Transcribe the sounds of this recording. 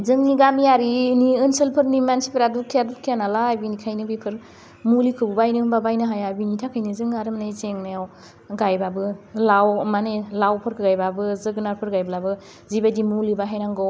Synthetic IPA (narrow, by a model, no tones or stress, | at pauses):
zɯŋniɡamijaɾiniɯnselpʰɯɾnimansi̥pʰeɾadukʰijadukʰijanalaːbinikʰajnɯbipʰɯɾ | mulikʰɯbubajnɯbabajnɯɦajabinitʰakʰajnɯzɯŋaɾɯmnajzeŋnajaw | ɡajbabɯlawmanelawpʰɯɾkʰɯɡajbabɯzɯɡɯnaɾpʰɯɾɡajbɯlabɯ | zibadimulibaɦajnaŋɡɔw